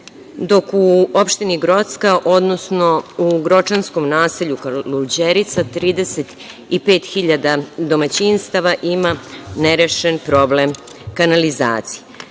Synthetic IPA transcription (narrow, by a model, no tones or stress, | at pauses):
d̪o̞kuo̞pʃt̪iniɡɾo̞t̪skaʔod̪no̞sno̞uɡɾo̞t͡ʃansko̞mnaːseʎukaluld͡ʑeɾit̪sat̪ɾiːd̪e̞se̞t̪ | ipe̞ːt̪xiʎad̪ad̪o̞mat͡ɕinst̪aʋaʔimaneɾeʃenpɾo̞ble̞m | kanaliza̰ːt̪si̥je